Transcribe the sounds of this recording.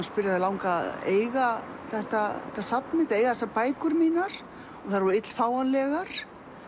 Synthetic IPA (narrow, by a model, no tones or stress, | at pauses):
spɪɾjaðɪlawŋka̰ðḛːjɣaθɛht̪at̪asap̚nmɪt̪eːjɣaðθɛsapaːjkʏɾmiːnaɾ̥ | ɔɣθaɾvɪt̪l̥faːwanlɛɣaɾ̥